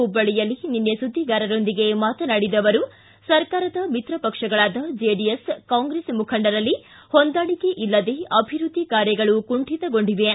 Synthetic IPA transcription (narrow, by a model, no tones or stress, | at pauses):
ubɐɭijɐlːininːjesud̪ʱːiɡaːɾɐɾo̞nd̪iɡe̞maːt̪ɐnɐɽid̪ɐʋɐɾu | sɐɾkaːɾɐd̪ɐmit̪ɾɐpɐkʂɐɡɐɭaːd̪ɐd͡ʒeɖijeskaːŋɡɾeːsmukʰɐɳɖɐɾɐlːi | hond̪aːɭike̞ʔilːɐd̪e̞ɐbʱiɾud̪ʱːikaːɾjɐɡɐɭukuɳʈit̪ɐɡo̞ɳɖiʋe